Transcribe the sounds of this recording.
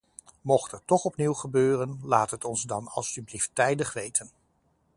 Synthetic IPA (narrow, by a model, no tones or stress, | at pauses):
mɔχtətːɔχɔpniwχəbøːrənlaːtɦətɔnzdɑnɑ̰lˠsybliftːɛjdəχʋejtʰən